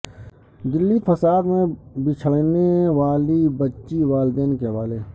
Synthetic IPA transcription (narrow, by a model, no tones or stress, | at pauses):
d̪ɪlːifʰəsaːd̪mẽbɪt͡ʃʰəɽneʋaːlibətːʃiʋaːld̪eːnkeɦʋaːleː